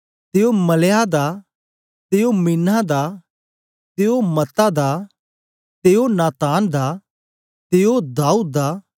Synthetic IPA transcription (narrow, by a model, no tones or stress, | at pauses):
t̪eːomɐlead̪a | t̪eːominad̪a | t̪eːomɐt̪ad̪aː | t̪eːonaːt̪aːnd̪a | t̪eːod̪aːuːd̪̚ːaː